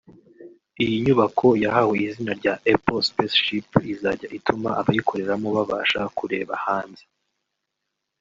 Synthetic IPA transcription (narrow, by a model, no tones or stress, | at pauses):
ijiɲuβakʰo̞jaɦaheizinaɾɟaʔepospesʃipizaːɟaʔitʰuma̰ʔaβajikʰo̞ɾe̞ɾamoβaβaːʃakuɾe̞̰ːβa̰haːnze